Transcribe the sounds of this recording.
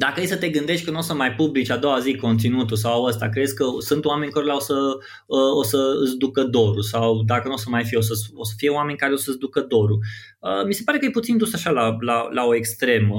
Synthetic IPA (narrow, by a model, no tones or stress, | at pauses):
d̪akəejsət̪e̞ɡɨnd̪e̞ʃt̪̚ʲkənuo̞səmajpublit͡ʃʲad̪o̞waziko̞nt̪sinut̪usawawəst̪a̰kɾed̪sʲkəsɨnt̪owame̞nʲkoɾlaosə | əosəɨ̰sd̪ukəd̪o̞ɾusawd̪akənuosəmajfijeo̞səosə̥fije̞wame̞nʲkaɾeo̞səsd̪ukəd̪o̞ɾu | əmise̞paɾe̞kəjeput̪sind̪usaʃalalalao̞e̞kst̪ɾe̞mə